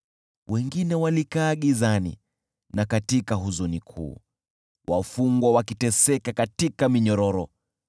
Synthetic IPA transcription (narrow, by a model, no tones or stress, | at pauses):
wʔɛŋɡinɛwalikaːɠizanḭ | nakatikaɦuzunikʰṵː | wafuŋɡwawakitɛsɛkakatikamiɲɔɾɔɾɔ